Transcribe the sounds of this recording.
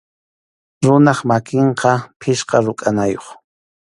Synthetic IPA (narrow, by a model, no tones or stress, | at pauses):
ɾʊnɑχmakɪɴqʰɑpʰɪʃqɑɾʊkʼanajoχ